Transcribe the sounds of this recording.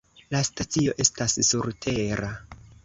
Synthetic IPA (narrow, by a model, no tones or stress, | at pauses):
lastat͡sio̞ʔe̞stasːuɾtʰe̞ɾa